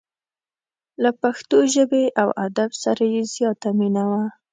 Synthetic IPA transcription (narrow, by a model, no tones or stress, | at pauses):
lapaxt̪oʒəbeʔawad̪absaɾajezjɑt̪aminawa